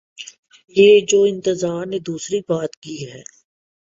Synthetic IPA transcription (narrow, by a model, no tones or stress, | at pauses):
jeːd͡ʒoːɪ̃nt̪əzaːɾned̪uːsɾibaːt̪kiɦɛː